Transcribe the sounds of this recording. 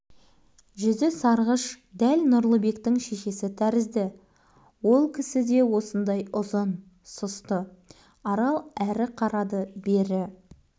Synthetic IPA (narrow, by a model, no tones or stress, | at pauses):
ʒʏzɪsɑɾʁəʃd̪ælnʊɾlˠəbe̞kt̪ɪŋʃe̞ʃe̞sɪt̪ʰæɾɪzd̪ɪ | wo̞lˠkʲʰɪsɪd̪e̞wo̞sənd̪ɑjʊzən | sʊst̪ə | ɑɾɑlˠæɾɪqʰɑɾɑd̪əbe̞ɾɪ